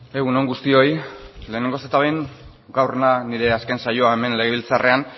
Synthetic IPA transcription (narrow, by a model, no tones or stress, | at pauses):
e̞ɣunoŋɡust̪io̞jle̞ːne̞ŋɡo̞set̪aβejŋ | ɡawrenaniɾe̞aske̞nsajo̞ae̞me̞nle̞ɣeβilt͡sarʔe̞an